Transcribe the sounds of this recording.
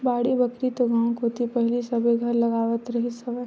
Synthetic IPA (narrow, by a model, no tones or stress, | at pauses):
baːɽibɐkɾit̪oɡãːw̃kot̪ʰipɛɦlisɐbeɡʱɐɾlɐɡaːʋət̪ɾɐɦisɐbə